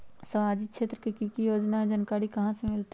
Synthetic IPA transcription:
səmaːd͡ʒikʃeːt̪ɾəkekikijoːd͡ʒnaẽd͡ʒənkaːɾikɐɦãsemɪlt̪e

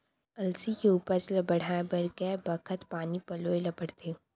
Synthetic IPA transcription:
ɐlsikeuːpəɾslɐbəɽ̤aːebɐɾkɛbɐkʰət̪paːnipɐloːelɐbəɽt̪ʰeː

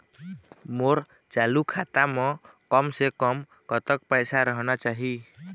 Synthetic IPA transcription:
moɾ | t͡ʃalukʰat̪ame | kəmsekəm | kət̪ək̚pəjsaɾəɦnat͡ʃaɦi

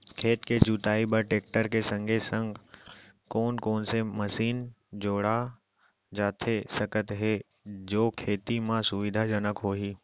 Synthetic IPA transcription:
kʰeːt̪ked͡ʒuːt̪aːibəɾʈeːk̚ʈəɾkesə̃ŋɡʱesə̃ŋɡ | koːnkoːnseməsiːn | d͡ʒoːɽa | d͡ʒaːt̪ʰesəkət̪ɦe | d͡ʒoːkʰeːt̪imãsʊʋɪd̪ʱad͡ʒənəkɦoːɦiː

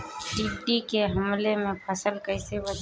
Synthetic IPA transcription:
ɖiɖikeɦɐmlemẽpʰɐsəlkəɪseʋɐd͡ʒ

